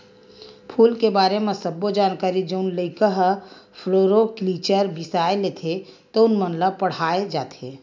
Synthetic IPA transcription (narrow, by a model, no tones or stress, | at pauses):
pʰuːlkebaːɾemẽsɐbːod͡ʒaːnkaːɾid͡ʒəʊnləɪkəɦpʰloːɾokliːt͡ʃəɾbɪsaːeleːt̪ʰe | t̪oʊnmənləpɐɽ̤aːed͡ʒaːt̪ʰḛː